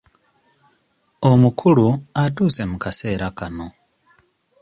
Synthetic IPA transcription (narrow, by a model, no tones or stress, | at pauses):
omukʰuluatuːse̞mukaseːɾakano̞